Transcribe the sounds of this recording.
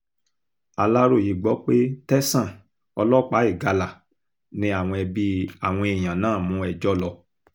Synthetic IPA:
a˧la˦ɾo˦˨ji˨˦ɡ͡bɔ˨˦k͡pe˦tɛ˦sã˦˨ | ɔ˧lɔ˦k͡pa˨˦i˦˨ɡa˧la˨ | nĩ˧a˦˨w̃ɔ̃˧ɛ˧bi˧a˦˨w̃ɔ̃˧e˨j̃ã˨nãː˦˨mũ˨˧˦ɛ˧d͡ʒɔ˦lɔ˧

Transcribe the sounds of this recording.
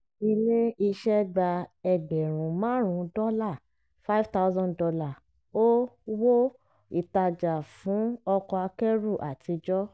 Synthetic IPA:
i˧le˦i˧ʃɛ˦ɡ͡ba˧ɛ˨ɡ͡bɛ˨ɾ̃ũ˨mãː˨˦ɾ̃ũ˧dɔ˦la˦˨ | fa˦i˦vta˦zɔ̃˦ndɔ˧la˦˨ | o˦wo˦ | i˦˨ta˨d͡ʒa˨fũ˨˦ɔ˧kɔ˧a˧kɛ˦ɾu˦˨ʔa˨ti˧d͡ʒɔ˦

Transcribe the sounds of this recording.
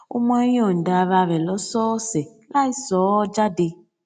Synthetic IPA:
ṵ˦m˦a˦jɔ˨n̩˨da˨βa˧βɛ˨lɔ˨˦sɔː˦sɛ˨ | la˦i˦sɔ˨˦d͡ʒa˦de˧

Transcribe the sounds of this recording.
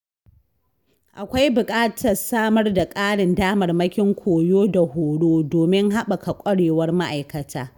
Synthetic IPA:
ʔa˨kʷa˦jbʊ˨kʼaː˦tʰɐ˨rsaː˦mɐ˦rda˨kʼaː˦ɽɪ˨ndaː˦mɐ˨rmɐ˦kʲɪ˦ŋkʷʰoː˨joː˦da˨hoː˨ɽoː˦doː˨mɪ˦ŋɦa˦ɓa˨ka˨kʷʼɐ˦ɽeː˨wɐ˦rma˦ʔa˨jkɐ˨tʰaː˦

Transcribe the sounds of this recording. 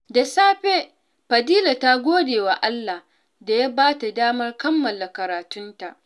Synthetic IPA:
da˨saː˦ɸe˦ | ɸɐ˨diː˦la˨ta˦ɡʷoː˦deː˨wa˨ʔa˦lːa˨h | da˨ja˦baː˦ta˨daː˦mɐ˦rkɐ˦mːɐ˨la˨kɐ˨ɾaː˨tʊ˦nta˨ʔ

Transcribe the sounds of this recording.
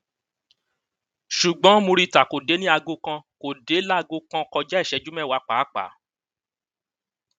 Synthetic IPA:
ʃu˨ɡ͡bɔ̃˨˦mõ˧ɾi˦˨ta˨ko˨de˨˦nĩ˦a˧ɡo˧kã˧ko˨de˨˦la˦˧ɡo˧kã˧kɔ˧d͡ʒa˦ɛ˦˨ʃɛ˨˧˦d͡ʒu˦mɛ̃˦˨wa˧˦k͡pa˨˦k͡pa̰˨˦

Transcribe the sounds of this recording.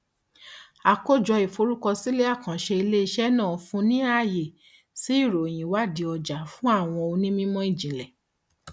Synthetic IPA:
a˧˨ko˦d͡ʒɔ˧i˨fo˧˦ɾu˦kɔ˧si˦le˦a˦˨kã˨ʃe˧i˧le˦i˧ʃɛ˦nã˦˨fũ˧nĩ˦a˦˨je˨ | si˨˦i˦˨ɾo˨j̃ĩ˨wa˦di˧ɔ˧d͡ʒa˨fũ˦a˦˨w̃ɔ̃˧o˧nĩ˦mĩ˦mɔ̃˦i˦˨d͡ʒĩ˨lɛ˨

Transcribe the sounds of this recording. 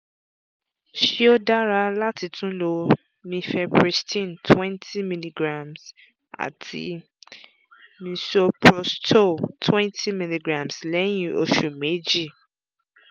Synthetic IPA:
ʃi˦o˦da˦ɾa˦la˦tʰi˨tũ˦lo˦ | mĩ˧fɛ˦pʰɹi˨stʰĩ˦˨ntʰwɛ̃˦ntʰi˦mĩ˨li˨ɡɾa˨ms | a̰˨tʰḭ˦ | mĩ˧so˦pʰɾɔ˨stʰo˦˨tʰwɛ̃˦ntʰi˦mĩ˨li˨ɡɾã˨mslɛ˦jĩ˨o̰˨ʃũ˨me˨˦d͡ʒi˦˨

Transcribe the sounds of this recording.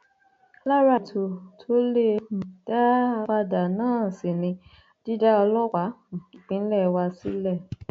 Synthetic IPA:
la˦ɾa˨tʰo˧tʰo˦le˦˧˨d̥a˦k͡pa˧da˨nãː˦˨si˨nĩ˧ | di˦da˦ɔ˧lɔ˦wa˨˦m̩˨k͡pĩ˨˦n̩˦lɛ˦˨˧wa˧sḭ˦lɛ˦˨

